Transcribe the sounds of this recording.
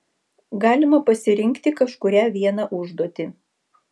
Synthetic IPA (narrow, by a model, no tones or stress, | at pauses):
ɡɑːlʲɪmɐpɐsʲɪɾʲɪŋʲkt̪ʲɪkɐʃkʊɾʲæːʋʲiɛnɑʔʊʒd̪uɔt̪ʲɪ